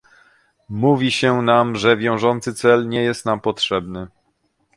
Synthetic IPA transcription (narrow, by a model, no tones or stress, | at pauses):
muvʲiɕɛnamʐɛvʲjɔ̃w̃ʐɔnt̪sɘt̪sɛlɲɛjɛst̪nampɔtʂɛbnɘ